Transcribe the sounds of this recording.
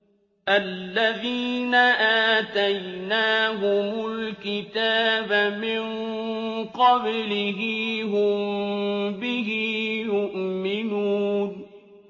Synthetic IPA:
ʔalːaðiːnaʔaːt̪ajnaːɦʊmʊlkɪt̪aːbmɪŋ | qɑblɪɦɪɦʊm | bɪɦɪjʊʔmɪnuːn

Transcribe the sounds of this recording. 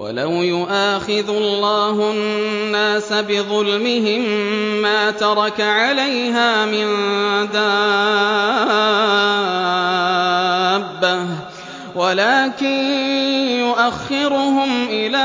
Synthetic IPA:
wʔa̰lawjʊʔaːxɪðlˤːaːɦʊnːaːsabɪðˤʊlmɪɦɪmːaːt̪ɑɾˤɑkaʕalajɦaːmɪnd̪a | bːah | walaːkɪn | jʊʔaxːɪɾʊɦʊmʔɪlaː

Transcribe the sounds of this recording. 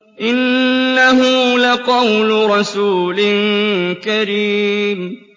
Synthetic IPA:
ʔɪnːaɦʊlaqɑwlʊɾˤɑsuːlɪnkaɾiːm

